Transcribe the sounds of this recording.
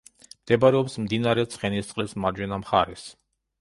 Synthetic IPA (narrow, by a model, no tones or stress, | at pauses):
md̪̥ɛbaɾɛɔpsmd̪inaɾɛt̪sʰχɛnist̪sʼlismaɾd͡ʒwɛnamχa̰ɾɛs